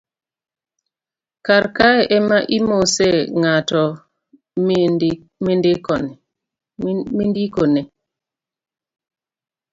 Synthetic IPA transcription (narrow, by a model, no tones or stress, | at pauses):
kaɾkaɛʔɛmaʔimoseŋatɔ | mendekɔn | mindikone